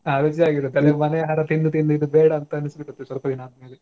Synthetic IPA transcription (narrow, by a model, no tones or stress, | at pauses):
aːɾoːt͡ʃijaːɡid̪ɐd̪ɐleumɐnɛjɐɦɐɾɐt̪ind̪ut̪ind̪uid̪ubɛːɽɐːnt̪ɐɐnisibiʈːut̪ːesʋɐlpɐd̪inaːd̪ɐmeːle